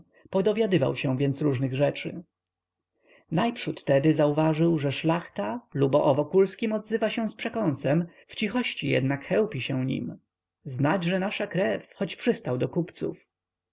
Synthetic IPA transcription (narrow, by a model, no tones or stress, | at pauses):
pɔd̪ɔvʲjad̪ɘva̰wɕɛ̃w̃vʲjɛnt̪sɾuʐnɘɣʐɛt͡ʂɘ̰ | najpʂut̪ːɛd̪ɘzauvaʐɘwʐɛʂlaxt̪alubɔʔɔvɔkulskʲimɔd̪zɘvaɕɛw̃spʂɛkɔ̃nsɛm | ft͡ɕixɔɕt͡ɕijɛ̰d̪nakxɛwpʲiɕɛw̃ɲḭm | znad͡ʑʐɛnaʂakɾɛfxɔt͡ɕpʂɘst̪awd̪ɔkupt̪sṵf